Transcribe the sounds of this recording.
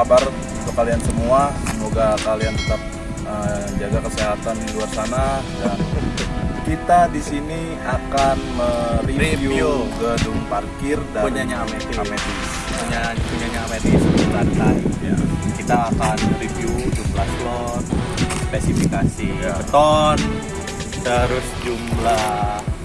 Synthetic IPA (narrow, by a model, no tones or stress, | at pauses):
abar | kəpaliansəmuasəmoɡakaliant̪ət̪ap̚ | əd͡ʒaɡakəseɦat̪anluarsanaja | kit̪adisini | akanməriiviuuɡədʊŋparkɪrdauɲaɲaːmet̪iameɾi | uɲapuɲaɲaːmedisbut̪anlaija̰kit̪aːkanriviut̪uslaslɔ | t̪spesifikasit̪ɔn | t̪əɾʊsd͡ʒumla